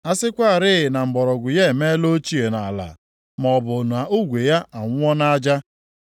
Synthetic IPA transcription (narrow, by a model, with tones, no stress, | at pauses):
a˦sɪ˦kʷa˦a˨ɾɪ˦ɪ˨na˨m̩˨bɔ˨ɾɔ˨ɡʷʊ˨je˦˨me˦lo˦t͡ʃi˦e˨na˨la̰˨ | mɔ˨bʊ˨na˨u˦ɡʷe˨ja˦ʔa˨ŋʷʊ˦ɔ˦na˦d͡ʒa˦